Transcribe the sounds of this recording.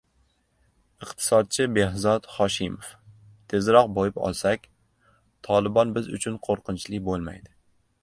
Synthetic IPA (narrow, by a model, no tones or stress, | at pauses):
ɨqt̪ʰɪ̥sɒd̪̚t͡ʃʰɪbe̞ɦzɒt̪χɒʃɪmof | t̪ʰe̞zɾɒqbojɪpɒ̰lˠsakʲ | t̪ʰɒlˠɪbɒnbɪzʊ̰t͡ʃʰʊnqʰoɾqʰɨnt͡ʃlɪkʲbolˠma̰jd̪ɪ